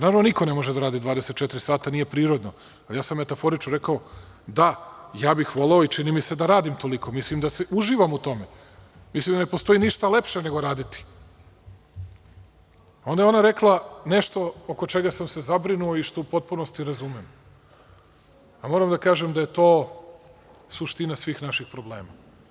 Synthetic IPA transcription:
naɾavnoniko̞ne̞mo̞ʒed̪aɾaːd̪id̪ʋaːd̪e̞set̪ːt͡ʃe̞t̪iɾisaːt̪anije̞pɾiːɾo̞d̪no | alijaːsamːe̞t̪afo̞ɾit͡ʃnoɾe̞kao̞ | d̪ajaːbixʋo̞leo̞it͡ʃinimise̞d̪aɾaːd̪imt̪o̞liko̞mislimd̪aseʔuʒiːʋamut̪o̞me̞ | mislimd̪ane̞post̪o̞jiniʃt̪ale̞pʃene̞ɡo̞ɾaːd̪it̪i̥ | o̞nd̪aeo̞naɾe̞klˠane̞ʃt̪o̞oko̞t͡ʃe̞ɡasamse̞zabɾinuoiʃt̪o̞upo̞t̪̚puno̞st̪iɾazumem | amo̞ɾamd̪akaːʒemd̪ajet̪o̞ː | suʃt̪inasʋiːxnaʃixpɾo̞ble̞̰ːma

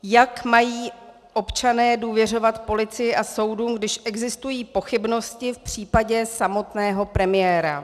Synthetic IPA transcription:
jakmajiː | ʔo̞pt͡ʃanɛːduːvjɛr̝o̞vat̪po̞lɪt͡sɪjɪʔaso̞wduːmɡdɪʃʔɛɡzɪst̪ujiːpo̞xɪbno̞scɪfpr̝̥iːpaɟɛsamo̞t̪nɛːɦo̞pɾɛmɪjɛːɾa̰

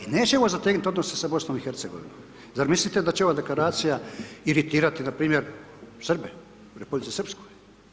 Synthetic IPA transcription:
ineːt͡ɕeoʋozat̪eɡnit̪o̞d̪nosesabo̞snomixe̞ɾt̪se̞ɡo̞̰ʋḭnom | zaɾmislit̪ed̪at͡ɕeo̞ʋaːd̪e̞klaɾaːt̪sijaiɾit̪iːɾat̪inapɾiːmjeɾ | sr̩be | ɾepublit̪si̥sr̩pskoj

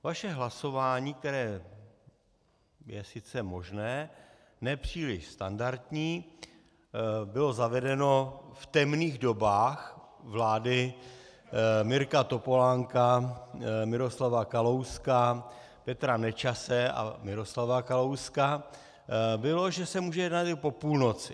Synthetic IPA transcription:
vaʃɛɦlaso̞vaːɲiːk̚t̪ɛɾɛː | jɛsɪt͡sɛmo̞ʒnɛː | nɛpr̝̥iːlɪʃst̪andaɾt̪ɲiː | bɪlo̞zavɛdɛno̞ft̪ɛmniːɣdo̞baːx | vlaːdɪ | mɪɾkat̪o̞po̞laːŋka | mɪɾo̞slavakalo̞wska | pɛt̪ɾanɛt͡ʃasɛa̰mɪɾo̞slavakalo̞wska | bɪlo̞ʒɛsɛmuːʒɛjɛdnat̪ɪpo̞puːlno̞t͡sɪ

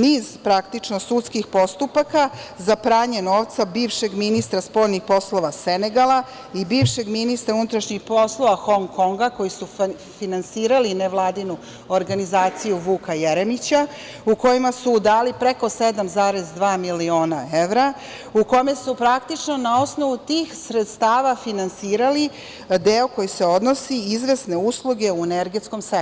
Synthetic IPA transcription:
niːz̥pɾakt̪it͡ʂno̞sut̪skixpo̞st̪upakazapɾaːɲe̞noːʋt̪sabiːfʃe̞ɡminist̪ɾaspo̞ːʎnixpo̞slo̞ʋaseneɡala | ibiːvʃe̞ɡminist̪ɾaunut̪ɾaʃɲixpo̞slˠo̞ʋaxo̞ŋko̞ŋɡako̞jisu | finansiːɾalineʋlˠaːd̪inu | oɾɡanizaːt̪sijuʋuːkajeɾemit͡ɕa | uko̞jimasuud̪aːlipɾe̞ko̞se̞d̪amzaːɾezd̪ʋaːmilio̞ːnae̞ʋɾa | uko̞me̞supɾakt̪it͡ʃno̞nao̞sno̞ʋut̪iːxsɾet̪st̪aːʋafinansiːɾali | d̪eo̞ko̞jise̞o̞d̪no̞siizʋe̞sne̞uslˠuɡe̞ueneɾɡet̪sko̞mse

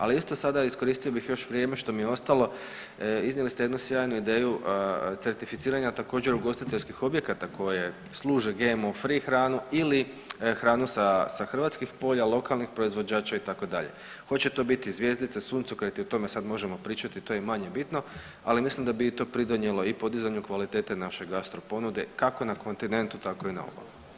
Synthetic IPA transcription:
a̰liist̪o̞sad̪aisko̞ɾiːst̪iobixjo̞ʃʋɾʲje̞ːme̞ʃt̪o̞mijeo̞st̪alo̞ | iznelist̪ejd̪nusjaːjnuid̪e̞ːjut̪se̞ɾt̪ifit̪siːɾaɲat̪ako̞ːd͡ʑe̞ɾuɡo̞st̪it̪e̞ʎʲskixo̞bje̞kat̪akʰo̞je̞ | slˠuːʒeɡemofɾixɾaːnuili | xɾaːnusasaxr̩ʋat̪skixpo̞ːʎalˠo̞kalˠnixpɾo̞izʋo̞d͡ʑaːt͡ɕait̪ako̞d̪a̰ʎe̞̰ | xo̞t͡ɕe̞t̪o̞bit̪izʋje̞zd̪it̪sesuːnt̪sukɾet̪iut̪o̞me̞sad̪mo̞ʒe̞mo̞pɾiːt͡ʃat̪it̪o̞jemaɲe̞bit̪no̞ | alimislimd̪abit̪o̞ːpɾid̪o̞ɲje̞lo̞ipo̞d̪izaɲukʋalit̪e̞ːt̪enaʃe̞ɡast̪ɾo̞po̞nud̪e̞kako̞nako̞nt̪ine̞nt̪ut̪ako̞ina̰o̰bo̰lu

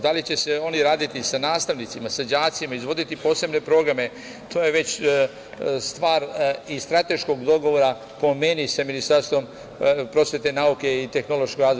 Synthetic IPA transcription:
d̪alit͡ɕe̞seo̞niɾaːd̪it̪isanaːst̪aʋnit̪simasad͡ʑaːt̪simaizʋo̞d̪it̪ipo̞ːse̞bne̞pɾo̞ɡɾame̞ | t̪ʰo̞ːje̞ʋe̞t͡ɕ | st̪ʋaːɾist̪ɾat̪e̞ʃko̞ɡd̪o̞ɡo̞ʋo̞ɾa | po̞meniseminist̪aɾst̪ʋo̞m | pɾo̞sʋje̞t̪enauke̞it̪e̞xno̞lo̞ʃkoɾaːz

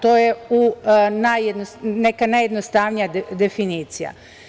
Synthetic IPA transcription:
t̪ojeunajed̪nonekanajed̪nost̪aʋnijad̪e̞finiːt̪sija̰

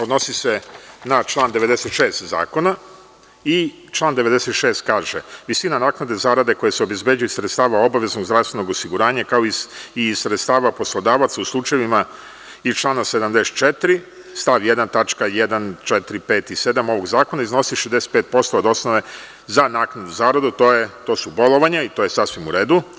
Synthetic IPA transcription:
od̪no̞sisenat͡ʃlˠaːnd̪e̞ʋe̞d̪eset̪ʃeːst̪za̰ːko̞na | i | t͡ʃlˠaːnd̪eʋe̞d̪eset̪ʃe̞ːst̪̚kaːʒeʋisinanaːknad̪e̞zaɾad̪e̞ko̞jaseobe̞zbe̞d͡ʑujuizsɾet̪st̪aːʋao̞baʋe̞znoɡzd̪ɾafst̪ʋe̞noɡo̞siɡuɾaːɲakao̞iizsɾet̪st̪aːʋapo̞slˠod̪aːʋat̪sauslˠut͡ʃajeʋima | it͡ʃlˠaːnase̞d̪amd̪ese̥t̪̚t͡ʃet̪iɾi | st̪aʋjed̪ant̪at͡ʃkajed̪ant͡ʃet̪iɾipeːt̪ised̪amo̞ʋo̞ɡzaːko̞naizno̞siʃezd̪ese̥t̪peːt̪̚po̞st̪oːd̪o̞snoʋe̞ | zanaːknad̪uzaːɾad̪ut̪ojet̪oːsubo̞lˠo̞ʋaɲait̪oːje̞sasʋimuɾe̞ːd̪u

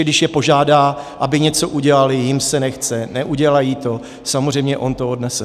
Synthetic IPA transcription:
ɡdɪʃjɛpo̞ʒaːdaːʔabɪɲɛt͡so̞ʔuɟɛlalɪjɪmsɛnɛxt͡sɛnɛʔuɟɛlajiːt̪o̞ | samozr̝ɛjmɲɛʔo̞nt̪o̞o̞dnɛsɛ

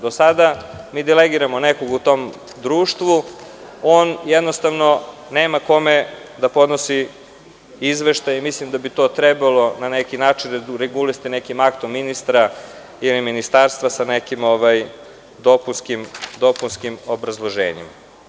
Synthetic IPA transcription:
d̪o̞sad̪amiːd̪eleɡiɾamo̞nekoɡut̪o̞ːm | d̪ɾuːʃt̪ʋu | oːnjed̪no̞st̪aʋno̞neːmako̞med̪apo̞d̪nosi | izʋeʃt̪ajimislimd̪abit̪o̞ːt̪ɾɛbalˠo̞nanekinaːt͡ʃinɾeɡulist̪inekimakt̪omːinist̪ɾa | iliminist̪aɾst̪ʋasanekimo̞ʋaj | d̪o̞punskimd̪o̞punskimo̞bɾazlˠoʒḛːɲḭma

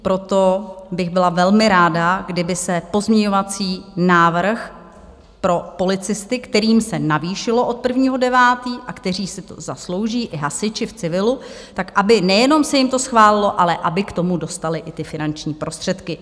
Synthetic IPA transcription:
pɾo̞t̪o̞bɪɣbɪlavɛlmɪɾaːdaɡdɪbɪsɛpo̞zmɲɛɲo̞vat͡siːnaːvr̩x | pɾo̞po̞lɪt͡sɪst̪ɪkt̪ɛɾiːmsɛnaviːʃɪloʔot̪̚pr̩vɲiːɦo̞dɛvaːt̪iːʔakt̪ɛriːsɪt̪o̞̰zaslo̞wʒiːʔɪɦasɪt͡ʃɪft͡sɪvɪlu | t̪akʔabɪnɛjɛno̞msɛjɪmt̪osxvaːlɪlo̞ʔalɛʔabɪkt̪o̞mudo̞st̪alɪʔɪt̪ɪfɪnant͡ʃɲiːpɾo̞st̪r̝̥ɛt̪kɪ

